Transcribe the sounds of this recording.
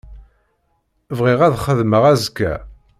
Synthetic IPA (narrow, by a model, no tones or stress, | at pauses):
vʁiʁæðχəðməʁæzkːæ̰